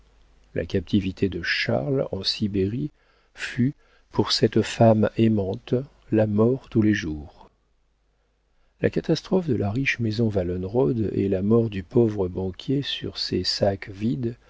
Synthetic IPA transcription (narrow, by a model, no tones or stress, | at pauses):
lʔa̰kʲap̚t̪ʰivit̪ʰed̪əʃa̰ʁlɑ̃sibeʁi | fy | pʰuʁsɛt̪famemɑ̃t̪ | lamɔʁt̪uleʒuːʁ | la̰kat̪ast̪χɔfd̪əlʔaʁiʃmezɔ̃valɔnʁɔd̪ḛlamɔʁd̪ypovʁəbɑ̃kʲjesy̰ʁsesakvid̪